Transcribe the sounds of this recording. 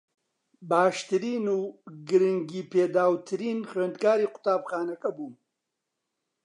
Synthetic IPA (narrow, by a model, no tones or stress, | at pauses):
baːʃt̪ɨɾiːnuːɡɨɾɨŋɡiːpʰeːd̪aːwt̪ʰɨɾiːnxweːnd̪kaːɾiːqʊ̥t̪aːbxaːnɐkɐbum